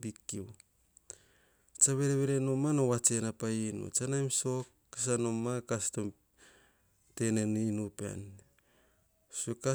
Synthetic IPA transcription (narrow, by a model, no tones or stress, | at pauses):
bikːiw | t͡ʃaβe̞ɾeβeɾenomanowat͡ʃenapainṵt͡ʃanajmso̞kːas̬anomːakastom | te̞neninupea̰n | seka